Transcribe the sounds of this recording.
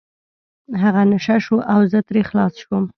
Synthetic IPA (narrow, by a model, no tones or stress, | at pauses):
ɦaɣanaʂaʃuʔawzət̪ɾexlɑsʃwəm